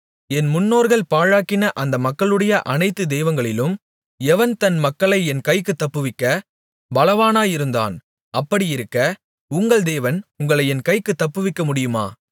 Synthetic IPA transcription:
ɛnmʊnːoːɾɣɐɭpaːɻaːkːɪnɐʔɐnd̪ɐmɐkːɐɭɯɽɐjɐʔɐnɐɪt̪ːɯd̪eːʋɐŋɡɐɭɪlɯm | ɛʋɐnt̪ɐnmɐkːɐɭɐɪɛnkɐɪkːɯt̪ːɐpːɯʋɪkːɐ | bɐlɐʋaːnaːjɪɾɯnd̪a̰ːn | ɐpːɐɽijɪɾɯkːɐ | ʊŋɡɐɭd̪eːʋɐnʊŋɡɐɭɐɪɛnkɐɪkːɯt̪ːɐpːɯʋɪkːɐmʊɽɪjɯma̰ː

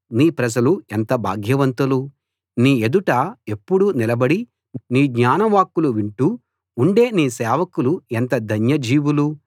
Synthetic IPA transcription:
niːpɾɐd͡ʒɐluent̪ɐbʱa̰ːɡʱjɐʋɐnt̪ulu | niːed̪uʈɐe̞pːuɽunilɐbɐɽi | niːɡɲaːnɐʋaːkːuluʋiɳʈuː | ɳɖe̞ːniːsɛːʋɐkuluent̪ɐd̪ʱɐnjɐd͡ʒiːʋulu

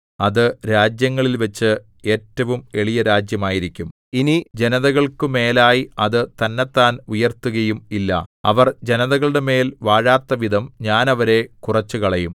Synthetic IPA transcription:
ɐðɨɾaːd͡ʑjɐŋːɐɭilʋɐt͡ɕːɨ | e̞ːtːɐʋume̞ɭijɐɾaːd͡ʑjɐmaːjiɾikʲːum | inid͡ʑe̞nɐðɐɣɐɭkɨme̞ːlaːjiɐðɨt̪ɐnːet̪ːaːnujɐrt̪ːuɣɐjumilːɐ̰ɐ̰ʋɐrd͡ʑe̞nɐðɐɣɐɭɨɽe̞me̞ːlʋaːɻaːt̪ːɐʋid̪ʱɐmɲaːnɐʋɐɾe̞kurɐt͡ɕːukɐɭɐjum

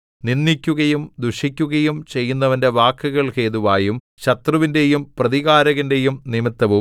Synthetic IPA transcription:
ninːikʲːuɣɐjumd̪uʂikʲːuɣɐjumt͡ɕe̞jːunːɐʋɐnde̞ʋaːkːɨɣɐɭhe̞ːðuʋaːjum | ɕɐt̪rɐʋinde̞jumprɐðiɣaːɾɐɣɐnde̞jumnimit̪ːɐʋum

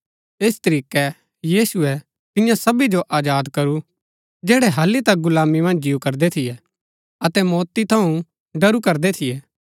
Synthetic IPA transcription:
eːst̪ɐɾiːkɛ | jiːsʊɛ | t̪ɪ̃jãsɐbid͡ʒoʔaːd͡ʒaːd̪kɐɾu | d͡ʒɛːɽɛɦɐlːit̪ɐk̚ɡʊlaːmimɐ̃nd͡ʒd͡ʒiːukɐɾd̪ɛt̪ʰɪjɛ | ɐt̪ɛmɔːt̪it̪ʰɐũ | ɖɐɾukɐɾd̪et̪ʰɪjɛː

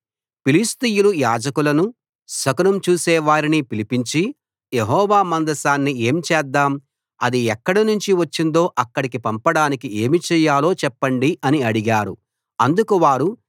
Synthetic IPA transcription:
pilist̪ijulujaːd͡ʒɐkulɐnu | sɐkɐnɐmt͡ʃuːsɛːʋaːɾinipilipiɲt͡ʃi | jeɦɔːʋaːmɐnd̪ɐsaːnːie̞ːmt͡ʃɛːd̪ːaːm | ɐd̪iɛkːɐɽɐnuɲt͡ʃiʋɐt͡ʃːind̪o̞ːʔɐkːɐɽikipɐmpɐɽaːnikie̞ːmit͡ʃɛːjaːlo̞ːt͡ʃɛpːɐɳɖiʔɐniɐɽiɡaːɾṵ | ɐnd̪ukuʋaːɾu

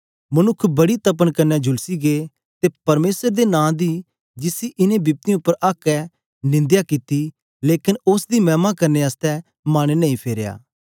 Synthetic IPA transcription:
mɐnʊkʰːbɐɽit̪ɐp̬ənkɐɾnːɛd͡ʒʱʊlsiɡe | t̪epɐɾmeːsəɾd̪enãːd̪i | d͡ʒɪsiʔɪnẽbɪp̚t̪ij̃ʊpːəɾʔaːkːɛ | nɪ̃nd̪jakɪt̪i | leːkɪnʊsd̪imɛ̃ːmakɐɾneaːst̪ɛ | maːɽ̃enɐĩpʰeːɾja̰ː

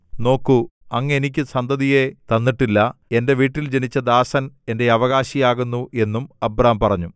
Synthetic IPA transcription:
no̞ːkːuɐŋːɐenikʲːɨsɐnd̪ɐðije̞t̪ɐnːiʈːilːɐe̞nde̞ʋiːʈːild͡ʑe̞nit͡ɕːɐd̪aːsɐne̞nde̞ɐʋɐɣaːɕijaːɣunːuʔe̞nːumɐbɾɐːmpɐrɐɲːu

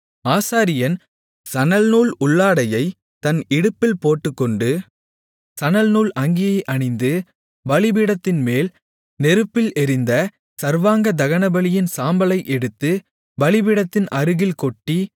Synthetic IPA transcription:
aːsaːɾɪjɐn | sɐnɐlnuːɭʊɭːaːɽɐjɐɪ | t̪ɐnɪɽɯpːɪlpoːʈːɯkːɔɳɖɯ | sɐnɐlnuːlʔɐŋɡɪjɐɪʔɐɳɪnd̪ɯ | ʋɐɭɪbɪɽɐt̪ːɪnmeːl | nɛɾɯpːɪlɛɾɪnd̪ɐ | sɐɾʋaːŋɡɐd̪ɐɣɐnɐbɐɭɪjɪnsaːmbɐlɐɪʔɛɽɯt̪ːɯ | ʋɐɭɪbɪɽɐt̪ːɪnʔɐɾɯɣɪlkɔʈːi

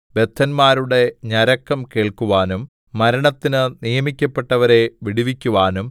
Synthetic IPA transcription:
be̞t̪ʰːɐnmaːɾuɽe̞ɲɐɾɐkːɐmke̞ːɭkuʋaːnumː | ɐɾɐɳɐt̪ːinɨnijɐmikʲːɐpːe̞ʈːɐʋɐɾe̞ʋiɽiʋikʲːuʋaːnum

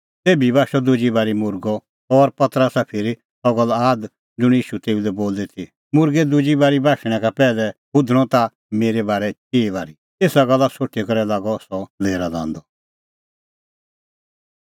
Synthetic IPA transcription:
t̪eːbibaːʃɔd̪ʊd͡ʒibaːɾimʊɾɡɔ | ɔɾpɐt̪əɾəsapʰɪɾi | sɔɡɐlaːd̪ | d͡zʊɽ̃iːʃut̪eːulɛboːld̪it̪ʰi | mʊɾɡɛd̪ʊd͡ʒibaːɾibʱaːʃɽ̃ɛ̃kapɛːlɛbʊd̪ʱɽ̃ɔ̃t̪a | meːɾɛbaːɾɛt͡ʃeːβaːɾi | eːsaɡɐlːasoʈʰːikɐɾɛlaːɡɔsɔleːɾadã̰ːnd̪ɔ

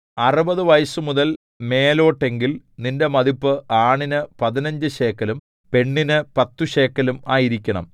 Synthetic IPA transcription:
ɐrubɐðɨʋɐjɐsɨmuðɐl | me̞ːlo̞ːʈːe̞ŋɡilninde̞mɐðipːɨʔaːɳinɨpɐðinɐɲd͡ʑɨɕe̞ːkːɐlum | pe̞ɳːinɨpɐt̪ːuɕe̞ːkːɐlumaːjiɾikʲːɐɳɐ̰m

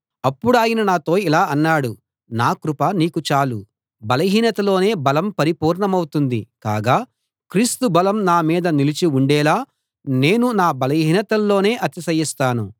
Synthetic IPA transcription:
ɐpːuɽaːjɐnɐnaːt̪o̞ːilaːɐnːaːɽu | naːkɾupɐniːkut͡ʃaːlṵ | bɐlɐɦiːnɐt̪ɐlo̞ːne̞ːbɐlɐmpɐɾipuːɾɳɐmɐwut̪und̪ḭka̰ːɡaː | kɾiːst̪ubɐlɐmnaːmiːd̪ɐnilit͡ʃiuɳɖɛːlaː | ne̞ːnunaːbɐlɐɦiːnɐt̪ɐlːo̞ːne̞ːʔɐt̪isɐjist̪aːnṵ

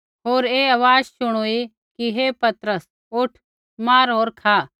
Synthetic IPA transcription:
ɦoːɾeːɐʋaːd͡ʒsʊɽ̃oːi | kiɦeːpɐt̪ɾəs | ʊʈʰ | maːɾɦoːɾkʰaː

